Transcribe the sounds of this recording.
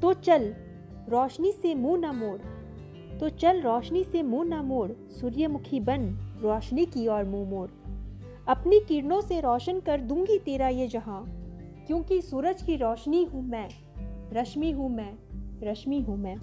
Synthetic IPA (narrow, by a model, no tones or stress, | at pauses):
t̪oːt͡ʃɐl | ɾɔːʃnisemũːnamoːɽ | t̪ot͡ʃɐlɾɔːʃnisemũːnamoːɽ | suːɾjəmʊkʰibɐnɾɔːʃnikiɔːɾmũmoːɽ | ɐpnikiːɾnõseɾɔːʃənkɐɾd̪ũːŋɡit̪eːɾaijed͡ʒɐɦãkjõːkisuːɾəd͡ʒkiɾɔːʃniɦũmɛ̃ː | ɾɐʃmiɦũmɛ̃ːɾɐʃmiɦũmɛ̃ː